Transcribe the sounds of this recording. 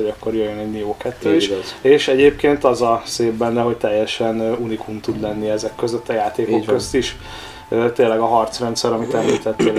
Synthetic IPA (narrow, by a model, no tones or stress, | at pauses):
oɟɒkːo̞rjøjønɛɟnioːkɛt̪ːøːiʃeːʃɛɟeːp̚keːnt̪ɒzɒseːbbɛnːɛɦoc̚t̪ɛjːɛʃɛnunikumt̪ud̪lɛnːiɛzɛkːøzøt̪ːɒjaːt̪eːkokkø̞st̪iʃ | øt̪eːlːɛɡɒɦɒrt̪srɛnt̪sɛɾɒmit̪ɛmliːt̪ɛt̪ːeːl